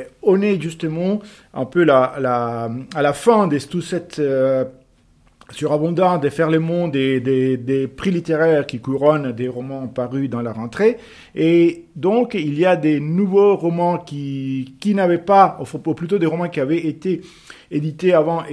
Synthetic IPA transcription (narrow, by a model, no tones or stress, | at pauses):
ɔneʒyst̪əmɑ̃ | ɛ̰̃pølalaalafɛ̃d̪est̪usɛt̪ | syʁabɔ̃d̪ɑ̃d̪əfɛʁlemɔ̃d̪ed̪ed̪epχilit̪eʁɛːʁkʲikuʁɔnd̪eʁɔmɑ̃paʁyd̪ɑ̃laʁɑ̃t̪χe | ed̪ɔ̃kilijad̪enuvoʁɔmɑ̃kʲikʲinavɛpaɔfuplyt̪od̪eʁɔmɑ̃kʲiavɛet̪e | ed̪it̪eavɑ̃